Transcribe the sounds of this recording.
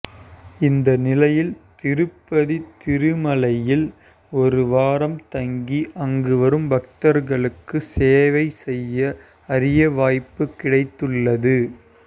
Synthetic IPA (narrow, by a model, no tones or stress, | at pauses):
ɪnd̪ɐnɪlɐjɪlt̪ɪɾɯpːɐðit̪ɪɾɯmɐlɐjɪl | ɔɾɯʋaːɾɐmt̪ɐŋɡiʔɐŋɡɯʋɐɾɯmbɐk̚t̪ɐɾɣɐɭɯkːɯseːʋɐɪsɛjːɐ | ɐɾɪjɐʋaːjpːɯkːɪɽɐɪt̪ːɯɭːɐðɯ